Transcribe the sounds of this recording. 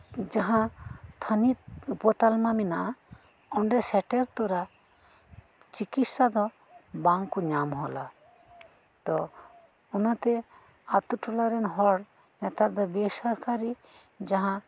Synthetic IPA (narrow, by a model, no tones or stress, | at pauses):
d͡ʒaɦãt̪ʰanit̪̚upɔt̪almamina | ɔɳɖɛsɛʈɛɾt̪ɔɾa | t͡ʃikit̪sad̪ɔ | baŋkuɲamɦɔla̰ | t̪ɔ | unat̪ɛ | at̪uʈulaɾɛnɦɔɽ | nɛt̪aɾd̪ɔbɛsaɾkaɾi | d͡ʒaɦã